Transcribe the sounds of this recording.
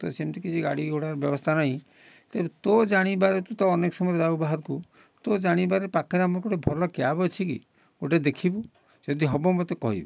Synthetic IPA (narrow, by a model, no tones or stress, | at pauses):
t̪ɔsemt̪ikid͡ʒiɡa̰ɽiɡʱoɽaɾɔbjɔbɔst̪ʰanaɦĩ | t̪ebet̪od͡ʒaɽ̃ibaɾet̪ut̪ɔːnekɔ̥sɔmɔɾɔɾabubaɦɔɾku | t̪od͡ʒaɽ̃ibaɾepakʰɔɾamɔɾkoʈebʱɔɾlɔkeabɔt͡ʃʰikḭ | oʈad̪ekʰibu | d͡ʒɔd̪iɦɔbɔmot̪ekɔ̰ɦḭbɔ